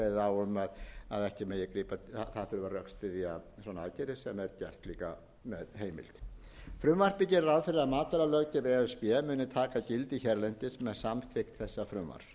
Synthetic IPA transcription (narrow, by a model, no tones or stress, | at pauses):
ɛððaːwʏmaðaðɛhcɪmeːjɪkɾiːpaθaðθʏɾʏvarœkst̪ɪðiasɔnaacɛɾɪ̥sɛmɛɾcɛr̥t̪liːka̰ | mɛðɦeːjmɪ̰lt̪ | fɾʏmvar̥pɪcɛɾɾawðfɪɾɪðaðmaːt̪aɾalœɣcɪvɛsvjɛmʏːnʏt̪ʰaːkacɪlt̪içɛɾlɛn̥t̪ɪsmɛðsamfɪxt̪θɛsːafɾʏmva̰ɾ̥